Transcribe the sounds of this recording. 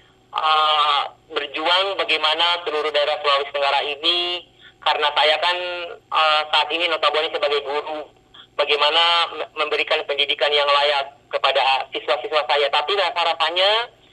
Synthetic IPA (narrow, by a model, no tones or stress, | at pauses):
ə | bərd͡ʒuaŋbaɡajmanat̪əluɾudaeɾasuawist̪əŋɡaɾaini | kaɾənasajakanəsaʔːt̪ininot̪abuanisəbaɡajbuɾu | baɡajmanaməmbəɾikanpəndidikanjaŋlajat̪̚kəpadasisuasisuasajat̪apidaasaɾapaɲa